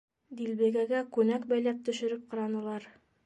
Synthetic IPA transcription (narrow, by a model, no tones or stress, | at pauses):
d̪ilbæɡæɡækʉnækbæjlæp̚t̪ɵ̆ʃɵ̆ɾɘp̚qɑ̆ɾɑnɤ̆lˠɑɾ